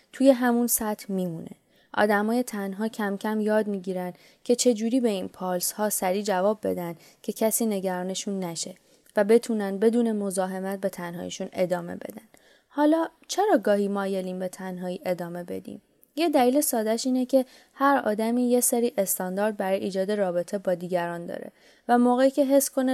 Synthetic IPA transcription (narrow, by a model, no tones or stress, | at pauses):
t̪ʰuːje̞ɦæmunsæt̪ʰmiːmunʔe̞̰ | ʔɒ̰ːd̪æmɒːje̞t̪ʰænɦɒːcʰæmcʰæmjɒːd̪miːɟiːɾænd̪ | cʰe̞t͡ʃʰe̞d͡ʒuːɾiːbe̞inpʰɒːlshɒːsæɾiːd͡ʒævɒːbːe̞̰d̪ænd̪ | cʰe̞cʰæsiːne̞ɟæɾɒːne̞ʃunːæʃe̞ | væbe̞t̪ʰunæn̚be̞d̪uːne̞mo̞zɒːɦe̞mæt̪̚be̞t̪ʰænɦɒ̰ːjḛʃune̞d̪ɒːme̞̰be̞̰d̪ænd̪ | hɒːlɒːt͡ʃʰe̞ɾɒːɡɒːhiːmɒːjeliːmbe̞t̪ʰænɦɒːiːʔe̞d̪ɒːme̞be̞d̪ḭːm | jed̪æliːle̞sɒːd̪æʃiːnecʰe̞ | hæɾɒ̰ːd̪æmiːjeseɾiːʔe̞st̪ɒːnd̪ɒːɾd̪̚bæɾɒːjeiːd͡ʒɒːd̪e̞rɒːbe̞t̪ʰe̞bɒːd̪iːɟæɾɒːnd̪ɒ̰ːɾe̞̰ | væmoːɣeiːcʰe̞ɦe̞sːkʰo̞ne